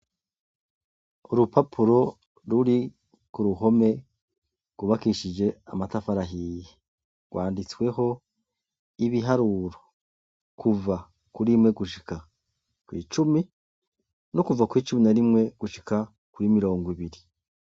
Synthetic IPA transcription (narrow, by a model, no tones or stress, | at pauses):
uɾupapʰuɾo̞ | ɾuɾi | kuɾuɦo̞me̞ | ɡ̥uβakiʃid͡ʒe̞amatafaɾaɦiji | ɡ̥waːndit͡swe̞ɦo̞ | iβiɦaɾuːɾo | kʰuva | kuɾimŋe̞ɡuʃika | kwḭːt͡ʃumi | nokuvakwiːt͡ʃuminaɾimŋe̞ɡ̥uʃika | kuɾimiɾo̞ːŋɡwiβiɾi